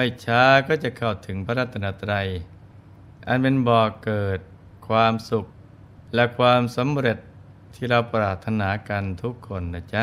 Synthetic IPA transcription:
ma˥˩jt͡ɕʰaː˦˥kɔː˥˩t͡ɕa˨˩kʰa˧˨˩wt̪ʰɯ˩˦ŋpʰa˧ɾa˦˧˩t̪ʰːa˧naː˧˩t̪ɾa˧j | ʔa˨˧˨npe˧nbɔː˨˩kɤː˨˩t̪̚ | kʰwaː˧msu˨˩k̚ | lɛ˧˩kʰwaː˧msa˩˦mɾe˨˩t̪̚ʰː | iː˧˩ɾa˧wpɾaː˨˩t̪ʰːa˧naː˩˦ka˧nt̪ʰu˦˥kʰːo˧nːa˧˩t͡ɕa˦˥

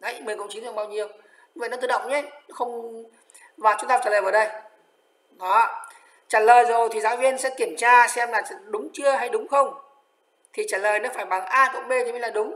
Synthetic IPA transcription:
a˧˦jmɨ˨˩əŋkə˧wŋ͡mt͡ɕi˨˦nt̪ːɓaː˧wɲi˨˩əw | ɲ˧v̰n˨˦t̪ɨː˧˩ɗə̰˧˨wŋ͡mɲɛ˨˦nɔ˨˦xə˧wŋ͡m | vaː˨˩t͡ɕʊ˨˦t̪a˧t͡ɕaː˧˩lːəː˨˩vːɗə˧j | ɗɔ˨˦ | t͡ɕaː˧˩ləː˨˩jzo˨˩jt̪ʰi˨˩zaː˨˦wvi˧ənsɛ̰˧˥ki˧˩əmt͡ɕaː˧sɛ˧mlaː˨˩˨ɗʊ˨˦ŋ͡mt͡ɕɨ˧əɦa˧jɗʊ˨˦ŋ͡mxə˧wŋ͡m | t̪ʰi˨˩t͡ɕaː˧˩ləː˨˩jnɔ˨˦faː˧˩jɓa˨˩ŋʔaː˧kə˨˧˩k͡p̚ɓe˧t̪ʰmi˧˦laː˨˩ɗʊ˨˦ŋ͡m

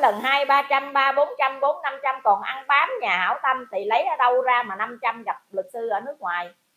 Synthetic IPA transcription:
lə˨˩nhaː˧jɓaː˧t͡ɕa˧mɓaː˧ɓo˨˦nt͡ɕa˧mɓo˨˦nːa˧mt͡ɕa˧mkɔ˨˩nʔa˧ŋɓaː˨˦mɲaː˨˩ha̰ː˧˩wt̪a˧mt̪ʰi˨˩lə˨˦jʔə˧˩ɗə˧wzaː˧maː˨˩na˧mt͡ɕa˧mza˨˩p̚lɨ˨˩k̚sɨ˧ʔəː˧˩nɨ˦˥ək̚ŋwaː˨˩j

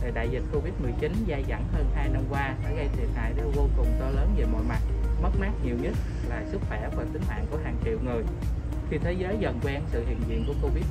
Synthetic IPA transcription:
ɗe˨˩ɗa̰ː˧˨jzi˨˩t̚ko˧vi˦˥t̚mɨ˨˩jt͡ɕi˨˦nzaː˧za̰˧˩nhəː˧nhaː˧jna˧mkwaː˧saː˧˩ɣə˧jt̪ʰi˨˩ət̚ha̰ː˧˨jɗe˧˩vo˧kʊ˨˩ŋ͡mt̪ɔ˧ləː˨˦nve˨˩mo̰˧˨jma˨˩t̚mə˦˥t̚maː˦˥t̚ɲi˨˩əwɲə˦˥t̚ | laː˨˩sɨ˦˥k̚xwɛ˧˩və˨˩t̪ï˨˦ŋhwa̰ː˧˨nku˧˩əɦaː˨˩ŋt͡ɕḭ˧˨əwŋɨ˨˩əj | xi˧t̪ʰe˨˦zəː˨˦jzə̰˧˨nkwɛ˧nsɨ̰˧˨hḭ˧˨ənzḭ˧˨ənku˧˩əko˧vi˦˥t̚

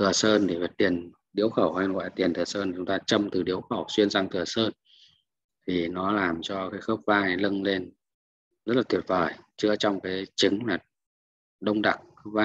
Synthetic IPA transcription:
t̪ʰɨ˨˩əsəː˧nɗe˧˩və˨˩t̚t̪i˨˩ən | ɗi˨˦əwxə˧˩wha˧ja̰ː˧˨t̪i˨˩ənt̪ɨ˨˩əsəː˧n˨˩t͡ɕʊ˨˦ŋ͡mt̪aː˧t͡ɕə˧mt̪ɨ˨˩ɗḭ˨˦əwxə˧˩wswi˧ənza˧ŋt̪ʰɨ˨˩əsəː˧n | t̪ʰi˨˩nɔ˨˦laː˨˩mt͡ɕɔ˧kaː˨˦jxəː˦˥p̚vaː˧jlə˧ŋle˧n | zə˦˥t̚laː˨˩t̪wi˧˩ət̚vəː˧˩jt͡ɕɨ˧ət͡ɕɔ˧wŋ͡mkaː˨˦jt͡ɕɨ˨˦ŋmaː˨˩t̚ | ɗə˧wŋ͡mɗa̰˧˨ŋxə˦˥p̚vaː˧

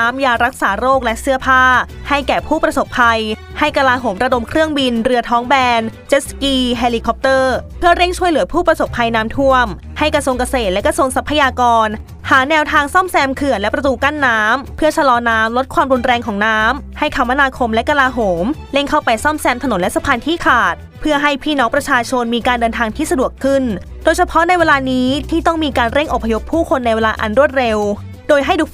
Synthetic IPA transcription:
aː˦˥mjaː˧ɾa˦˥k̚saː˩˦ɾoː˥˩k̚lɛ˦˥ʔsɯ˥˩ɐpʰaː˥˩ha˥˩jkɛː˨˩pʰuː˥˩pɾa˧so˨˩pʰːa˧j | ha˥˩jka˧laː˧ɦoː˩˦mɾa˧do˧mkʰɾɯ˥˩əŋbi˧nɾɯ˧ət̪ʰɔː˦˥ŋbɛː˧nt͡ɕe˦˥skiː˥˩ɦeː˧liː˧kʰɔ˧˦˥p̚t̪ɤː˥˩pʰɯ˥˩ɐɾe˥˩ŋt͡ɕʰu˥˩jlɯ˩˦pʰuː˥˩pɾa˧so˨˩pʰːa˧jnaː˦˥mt̪ʰu˥˩əm | ha˥˩jkɾa˧su˧ŋka˧seː˨˩t̪̚lɛ˦˥kɾa˧su˧əŋsa˦˥pʰːa˧jaː˧kɔː˧n | haː˩˦nɛː˧wt̪ʰaː˧ŋsɔ˥˩msɛː˧mkʰɯ˨˩ənlɛ˦˥pɾa˧t̪uː˧ka˥˩nːaː˦˥mpʰɯ˥˩ɐt͡ɕʰa˧lɔː˧naː˦˥mlo˦˥t̪̚kʰwaː˧mɾu˧nɾɛː˧ŋkʰɔː˩˦ŋnaː˦˥mha˥˩jkʰa˧˩wmːa˦˥naː˧kʰo˧mlɛ˦˥ka˧laː˧ɦoː˩˦mle˥˩ŋkʰa˥˩wpa˧jsɔ˥˩msɛː˧mt̪ʰno˨˩˦nlɛ˦˥sa˧pʰaː˧nt̪ʰiː˥˩kʰaː˨˩t̪̚pʰɯ˥˩ɐɦa˥˩jpʰiː˥˩nɔː˦˥ŋpɾa˧t͡ɕʰaː˧t͡ɕʰo˧nmiː˧kaː˧ndɤː˧nt̪ʰaː˧ŋt̪ʰiː˥˩sa˧du˨˩əkʰɯ˥˩n | doː˧jsʰa˧pʰɔ˦˥na˧jweː˧laː˧niː˦˥t̪ʰiː˥˩t̪ɔ˥˩ŋmiː˧kaː˧nɾe˥˩ŋʔo˨˩pʰːa˧jo˦˥pʰːuː˥˩kʰo˧nːa˧jweː˧laː˧ʔa˧nɾu˥˩ət̪̚ɾe˧w | doː˧jɦa˥˩jduː˨˩

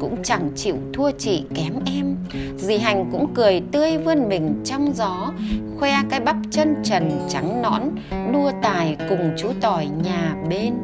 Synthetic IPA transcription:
kʊ̰˧˥ŋ͡mt͡ɕa˧˩ŋt͡ɕḭ˧˨wt̪ʰu˧ət͡ɕḭ˧˨kɛ˨˦mʔɛ˧m | zi˨˩ɦa˨˩jŋ̟kʊ̰˧˥ŋ͡mkɨ˨˩əjt̪ɨ˧əjvɨ˧ənmï˨˩ŋ̟t͡ɕɔ˧wŋ͡mzɔ˨˦xwɛ˧kaː˨˦jɓa˦˥p̚t͡ɕə˧nt͡ɕə˨˩nt͡ɕa˨˦ŋnɔ̰˧˥n | ɗu˧ət̪aː˨˩jkʊ˨˩ŋ͡mt͡ɕu˨˦t̪ɔ˨˩jɲaː˨˩ɓe˧n

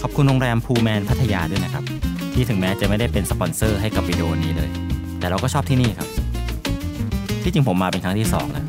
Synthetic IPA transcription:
kʰɔ˨˩p̚kʰu˧nɾoː˧ŋɾɛː˧mpʰuː˧mɛː˧npʰa˦˥t̪ʰːa˧ja̰ː˧du˥˩˨jna˦˩kʰa˦˥p̚t̪ʰiː˥˩t̪ʰɯ˩˦ŋmɛː˦˥t͡ɕa˨˩ma˥˩jda˥˩jpe˧nsəpɔ˧nsɤː˥˩ɦa˥˩jka˨˩p̚wiː˧di˧ʔoː˧niː˦˥lɤː˧j | t̪ɛː˨˩ɾa˧wkɔː˥˩ɔː˥p̚t̪ʰiː˥˩niː˥˩kʰa˦˥p̚ | t̪ʰiː˥˩t͡ɕi˧ŋpʰo˩˦mːaː˧pe˧nkʰɾa˦˥ŋt̪ʰiː˥˩sɔ̰ː˩˦ŋʔa̰˦˥

